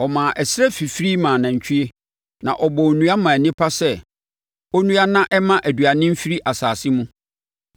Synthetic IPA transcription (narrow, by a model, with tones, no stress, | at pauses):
ɔ˨mãː˨ʔɛ˨sɾɛ˦fi˨fɾi˦mã˨nã˨ɲ̩˨t͡ɕᶣʰi˦e˦ | nã˨ʔɔ˨bɔ˨nũ˦a˦mã˨nɪ̃˦pʰa˦sɛ˦ | ɔ˦nũ˦a˦nã˦ʔɛ˦mã˦ʔæ˨dɥa˨nɪ̃˦m̩˦fi˦ɾi˦ʔa˨saː˨sɪ˦mũ˦